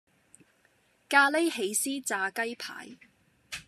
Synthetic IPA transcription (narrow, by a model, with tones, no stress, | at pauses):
kaː˧le˥jɦe˨˧jsiː˥t͡saː˧kɐ˥jpʰa̰ː˨˥j